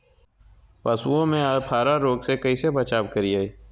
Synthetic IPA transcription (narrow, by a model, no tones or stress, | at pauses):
pɐsuõmẽapʰaːɾaɾoːɡsekɐisebɐt͡ʃaːbkəɾiaːiː